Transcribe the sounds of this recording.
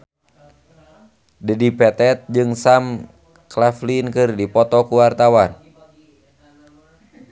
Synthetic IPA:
dədipɛt̪ɛt̪̚d͡ʒɨŋsam | klaflinkɨrdipɔt̪ɔkuwart̪awan

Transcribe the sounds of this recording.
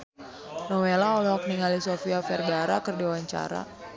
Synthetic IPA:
nɔwelaɔlɔɦɔk̚niŋalisofiafɛrɡaɾakɨrdiwaɲt͡ʃa̰ɾa̰

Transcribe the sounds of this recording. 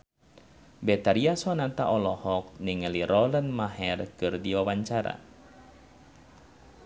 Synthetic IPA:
bɛt̪aɾiasɔnat̪aʔɔlɔhɔk̚niŋəliɾʔɔlənmaɦɛrkɨrdiwawaɲt͡ʃaɾa̰

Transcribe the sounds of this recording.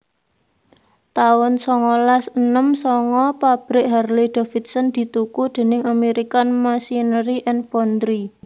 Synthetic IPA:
t̪aʊnsɔŋɔlasənəmsɔŋɔpab̥ɾɪʔɦɛrlid̪̥ɔ̤fit̪̚sənd̪̥i̤t̪ukud̪̥e̤nɪŋameɾikanmasinɾiʔɛnfɔnd̪ɾi

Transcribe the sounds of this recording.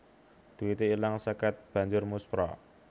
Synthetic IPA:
d̪̥iwit̪iːlaŋsəkɛt̪̚b̥a̤ɲd͡ʒʊrmuspɾɔ̰

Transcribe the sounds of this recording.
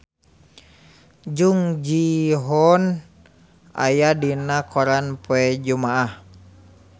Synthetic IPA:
d͡ʒuŋd͡ʒiɦɔn | a̰jadinakɔɾanpoɛd͡ʒumaah

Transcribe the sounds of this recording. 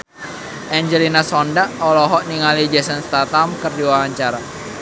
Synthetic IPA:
ʔɛɲd͡ʒɛlinasɔndaʔɔlɔɦɔʔniŋalid͡ʒɛsənst̪at̪amkərdiwaɦaɲt͡ʃaɾa

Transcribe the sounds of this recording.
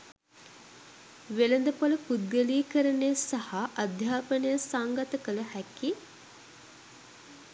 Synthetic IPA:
ʋelənd̪əpoləpud̪̚ɡəliːkəɾənejəsahaʔɐd̪ʱjaːpənəjəsaŋɡat̪əkələhæki

